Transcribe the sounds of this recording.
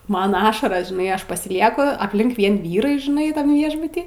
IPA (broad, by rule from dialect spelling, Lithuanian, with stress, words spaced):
ˈmɐn ˈɑːʃɐrɐs ʒʲɪˈnɐɪ ˈɐʃ pɐsʲɪˈlʲiɛkʊ ɐpʲˈlʲɪŋk ˈʋʲiɛn ʋʲiːˈrɐɪ ʒʲɪˈnɐɪ tɐm ˈʋʲiɛʒbʊtʲiː